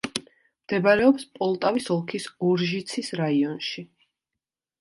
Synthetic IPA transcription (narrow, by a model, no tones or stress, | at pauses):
md̪̥ɛbaɾɛɔpspʼɔlˠt̪ʼavisɔlˠkʰisɔɾʒit̪sʰisɾaiɔnʃi